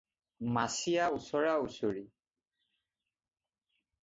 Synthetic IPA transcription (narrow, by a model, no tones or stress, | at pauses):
masijausɔɹausoɹi